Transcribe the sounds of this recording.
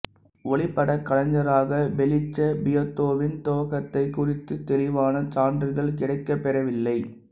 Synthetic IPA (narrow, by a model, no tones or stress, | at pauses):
ʔɔɭɪpːɐɽɐkːɐlɐɲd͡ʒɐɾaːɣɐbɛlɪt͡ʃːɐbɪjɐt̪ːoːʋɪnt̪oːɣɐt̪ːɐɪkːʊrɪt̪ːɯt̪ːɛlɪʋaːnɐt͡ʃaːndrɯɣɐɭkɪɽɐɪkːɐpːɛrɐʋɪlːɐɪ